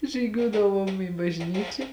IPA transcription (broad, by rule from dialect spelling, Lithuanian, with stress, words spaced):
ʒʲiːˈɡʲuɔdɐʋuɔm iː bɐʒʲˈnʲiːt͡ʃʲɛ